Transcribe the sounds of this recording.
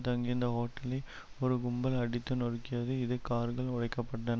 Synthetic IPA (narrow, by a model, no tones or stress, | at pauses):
t̪ɐŋɡɪnd̪ɐɦoːʈːɐlɐɪ | ɔɾɯɡʊmbɐlɐɽɪt̪ːɯnɔrkːɪjɐðɯɪðɯkaːɾɣɐɭʊɻɐɪkːɐpːɐʈːɐn